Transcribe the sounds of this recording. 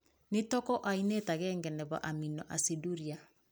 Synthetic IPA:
netɔkɔʔainetaɣɛːŋɡɛnɛβa̰ʔaminɔʔasiduɾia

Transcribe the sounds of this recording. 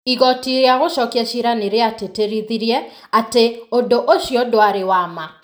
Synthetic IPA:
iɣɔtiɾeaɣoʃɔkiɛʃiɾaneɾeateteɾiðiɾjɛateondoʔoʃjodoaɾewama

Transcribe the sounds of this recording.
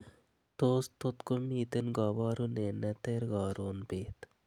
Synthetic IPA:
t̪oːst̪ot̪komiːt̪enɡɑbɑːɾunenɛt̪eːɾɡɑːɾoːnbeːt̪

